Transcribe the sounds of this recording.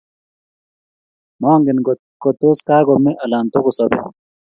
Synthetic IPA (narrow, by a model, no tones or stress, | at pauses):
moːŋɡin | kot̪oskaːɡomeʔɐlaːnt̪oɡosobḛ